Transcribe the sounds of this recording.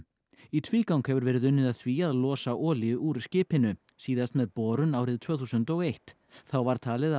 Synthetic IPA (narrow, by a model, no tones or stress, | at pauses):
it̪ʰviːkawŋkhɛvʏɾvɛːɾɪðʏnːɪðaðθviaðlɔːsaʔɔːlɪʏʔuɾscɪːphɪnʏ | siːðast̪mɛðpɔːɾʏnaːwɾɪðt̪ʰv̥œːθusʏnt̪ɔɣejht̪ | θawvaɾ̥t̪ʰaːlɪð